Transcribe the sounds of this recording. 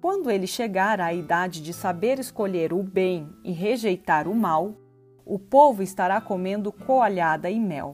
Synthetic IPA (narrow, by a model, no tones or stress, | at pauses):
kwɐ̃nd̪ʊelɪʃeɡaɾɐaid̪ad͡ʒɪd͡ʒɪsabeɾeskoʎeɾʊbẽj̃ɪɦeʒejt̪aɾʊmaw | ʊpovʊɪst̪aɾakomẽnd̪ʊkʰoaʎad̪ɐɪmɛ̰w